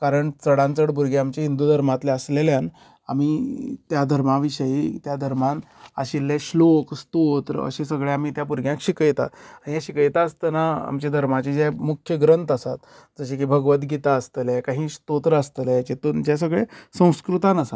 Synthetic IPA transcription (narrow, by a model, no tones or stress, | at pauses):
kaɾəɳt͡səɽãnt͡səɽbʱuɾɡeamt͡ɕeɦind̪uːd̪ʱəɾmat̪leəsleljan | a̰m̤iːt̪jad̪ʱəɾmaʋiɕəjit̪jad̪ʱəɾmana̰ɕilːeɕlokst̪ot̪ɾə̰ɕesəɡɭeam̤iːt̪japuɾɡjãkɕikəjt̪a̰aijaɕikəjt̪aəst̪ənaa̰mt͡ɕed̪ʱəɾmat͡ɕed͡ʑemukʰjəɡɾənt̪əsat̪ | d͡zəɕekibʱəɡʋət̪ɡit̪aəst̪əljakaɦiːst̪ot̪ɾəəst̪əlajt͡ɕet̪ond͡ʑes̬əɡɭesə̃w̃skɾut̪anəsat̪